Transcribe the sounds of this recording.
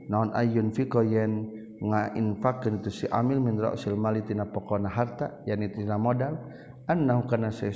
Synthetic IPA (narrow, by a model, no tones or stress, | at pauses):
naɔnʔa̰junfikɔjɛn | ŋaʔḭnfakːanit̪usiʔa̰milminɾɔ̰ʔsilmalit̪inapɔkɔnaɦart̪ajanit̪namɔdal | anːaɦukanasɛ